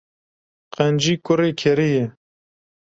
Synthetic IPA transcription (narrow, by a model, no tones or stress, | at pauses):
qænd͡ʒiːkʊɾeːkʰɛɾijɛ